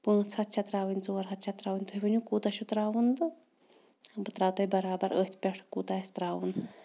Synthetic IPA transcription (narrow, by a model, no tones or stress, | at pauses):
pə̃ːt͡sʰhɐt̪̚t͡ʃʰɐt̪ɾaːʋɨnʲt͡soːɐɾɦɐt̪̚t͡ʃʰɐt̪ɾaːʋɨnʲt̪ʰuɦʲiʋənʲũkuːt̪ɐʃut̪ɾaːʋund̪ɨ | bɨt̪ɾaːwt̪ɐbɐɾaːbɐɾəːt̪ʰpʲɛʈʰkuːt̪aːst̪ɾaːʋun